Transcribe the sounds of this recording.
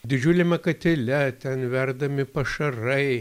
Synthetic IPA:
d̪ʲɪd͡ʒʲuːlʲɛmʲɛkɐt̪ʲɪlʲɛt̪ʲɛnʋʲɛrd̪ɐmʲɪpɐʃɐrɐɪ

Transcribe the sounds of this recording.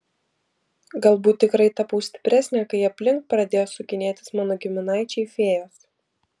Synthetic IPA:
ɡɐlˠbuːt̪ʲːɪkɾɐɪt̪ɐpɐʊsʲt̪ʲɪ̥pʲɾʲæsʲnʲɛkɐɪɐpʲlʲɪŋk̚pɾɐd̪ʲeːjoːsʊkʲɪnʲeːt̪ʲɪ̥smɑːnoːɡʲɪmʲɪnɑˑɪt͡ʃʲɛɪfʲeːjos

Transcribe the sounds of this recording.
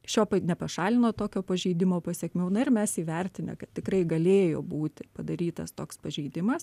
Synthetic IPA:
ʃʲoːpɐnʲɛpɐʃɑːlʲɪnoːt̪oːkʲoːpɐʒʲɛɪd̪ʲɪmoːpɐsʲɛkmʲɛʊnɐɪrmʲɛsiːʋʲɛrʲt̪ʲɪnʲɛ̰kɐt̪t̪ʲɪkrɐɪɡɐlʲeːjoːbuːt̪ʲɪpɐd̪ɐɾʲiːt̪ɐ̰st̪oːkspɐʒʲɛɪd̪ʲɪmɐs

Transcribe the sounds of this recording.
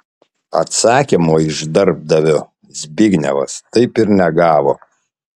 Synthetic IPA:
ɐ̰t̪sɑːkʲimoːɪʒd̪ɐɾb̚d̪ɐʋʲʊ | zʲbʲɪɡnʲɛ̰ʋɐ̰st̪ɐɪpɪɾnʲɛɡɑːʋoː

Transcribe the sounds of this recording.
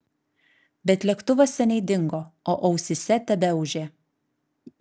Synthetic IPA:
bʲɛt̪ʲlʲɛkt̪ʊʋɐsʲɛnʲɛɪd̪ʲɪŋɡoːoːʔɐʊsʲɪsʲɛt̪ʲɛbʲɛʊʒʲeː

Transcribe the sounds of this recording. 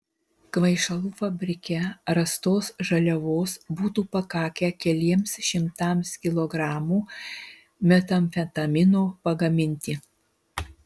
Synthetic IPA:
kʋɐɪʃɐlˠuːfɐbʲɾʲɪkʲɛɾɐst̪oːsʒɐlʲɛʋoːsbuːt̪uːpɐkɑːkʲɛkʲɛlʲiɛmsʃʲɪmt̪ɐˑmskʲɪlˠɔːɡɾɑːmuː | mʲɛt̪ɐmʲfʲɛt̪ɐmʲɪnoːpɐɡɐmʲɪnʲt̪ʲiː

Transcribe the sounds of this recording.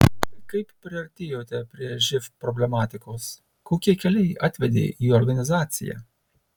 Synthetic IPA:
kɐɪppʲɾʲɪɐɾʲt̪ʲeːjoːt̪ʲɛpʲɾʲiɛʒʲɪfpɾɔbʲlʲɛmɑːt̪ʲɪkoːs | koːkʲiɛkʲɛlʲɛɪʔɑːt̪ʲʋʲɛd̪ʲḛːʔiːɔɾɡɐnʲɪzɑːt̪sʲɪ̰jæ̰

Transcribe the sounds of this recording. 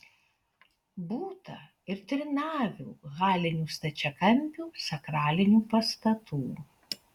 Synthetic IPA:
buːt̪ɐ | ɪɾt̪ʲɾʲɪnɑːʋʲṵːɣɑːlʲɪnʲuːst̪ɐt͡ʃʲɛkɐmʲpʲuːsɐkɾɑːlʲɪnʲuːpɐst̪ɐt̪uː

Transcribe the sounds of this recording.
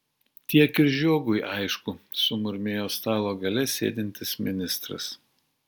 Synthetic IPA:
t̪ʲiɛkɪɾʒʲuɔɡʊɪʔɐɪʃkʊsʊmʊɾʲmʲeːjoːst̪ɑːlˠoːɡɐlʲɛsʲḛːd̪ʲɪnʲt̪ʲɪsmʲɪnʲɪst̪ɾɐ̰s

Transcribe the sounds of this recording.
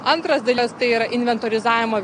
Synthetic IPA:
ɐnt̪ɾɐsd̪ɐlʲst̪ɐɪiːɾɐʔɪnʲʋʲɛnt̪oːɾʲɪzɑːʋʲɪmoːʋʲ

